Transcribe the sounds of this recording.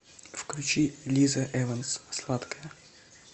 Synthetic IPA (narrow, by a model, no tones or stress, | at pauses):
fklʲʉt͡ɕilʲizɐʔɛvənsslˠat̪kəjə